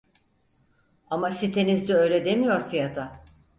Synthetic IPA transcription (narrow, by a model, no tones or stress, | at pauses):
amasit̪ʰe̞nizd̪ɛø̞jlʲɛd̪e̞mijo̞ɾfijat̪ʰa